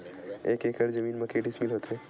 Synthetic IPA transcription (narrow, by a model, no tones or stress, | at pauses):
eːkeːkəɽd͡ʒɐmiːnmɐkeːʈismilɦoːt̪eː